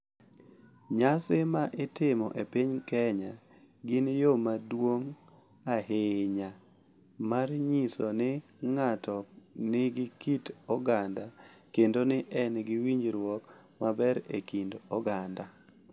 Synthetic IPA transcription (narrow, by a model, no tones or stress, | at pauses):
ɲasɪmaʔɪtɪmɔʔepiɲkɛɲa | ɡɪnjomadwoŋ | aɦeɲa | marɲisɔnɪŋatɔnɪɡɪkitɔɡandakendonɪʔɛnɡɪwiɲd͡ʒɾwɔkmabɛɾekindɔɡanda